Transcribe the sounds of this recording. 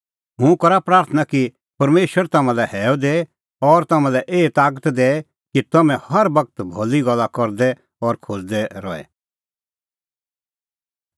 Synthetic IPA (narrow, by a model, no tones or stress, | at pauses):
ɦũkɐɾapɾaːɾt̪ʰənaki | pɐɾmeːʃwəɾt̪ɐmãlɛhɛːod̪eː | ɔɾt̪ɐmãlɛʔeːt̪aːk̬ət̪d̪eː | kit̪ɐmɛ̃hɐɾbɐkət̪bʱoliɡɐlːakɔɾd̪ɛ | ɔɾkʰod͡ʒd̪ɛɾɔːɛ̰